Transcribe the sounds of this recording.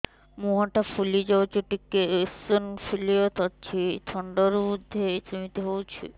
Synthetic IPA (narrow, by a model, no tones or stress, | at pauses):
muɦaʈafulid͡ʑɔt͡ɕoʈikːeesonfʰiliot̪ʰɔtːt͡ɕʰit̪ʰɔɳɖoɾuud̪ʱːesɾimit̪eɦowt͡ɕʰḭ